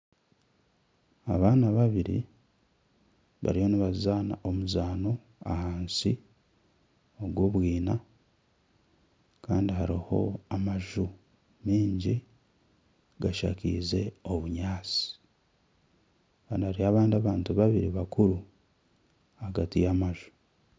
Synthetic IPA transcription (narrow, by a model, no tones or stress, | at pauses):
a̰βaːnaβaβiɾḭ | βa̰ɾijo̞niβazaːna̰ʔo̞muzaːno̞ | a̰haːnsi | oɡwo̞ːβwiːna | kaːndiɦaɾiho̞̰amaʒu | miːɲɟi | ɡaʃa̰kḭːze̞o̞βuɲaːsi̥ | kandahaɾiaβaːndiaβaːntuβaβiɾiβakuɾu | aɡatijamaʒu̥